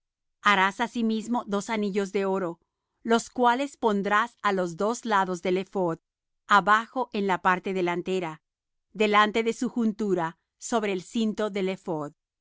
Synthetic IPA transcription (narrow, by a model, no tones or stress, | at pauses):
aɾasasimizmo̞ðo̞saniʝo̞zðe̞o̞ɾo̞ | lo̞skwale̞spo̞nd̪ɾasalo̞zðo̞zlaðo̞zðe̞le̞fo̞ð | aβaxo̞ʔe̞nlapaɾt̪e̞ðe̞lant̪e̞ɾa | ðe̞lant̪e̞ðe̞suxunt̪uɾa | so̞βɾeːlsint̪o̞ðe̞le̞foð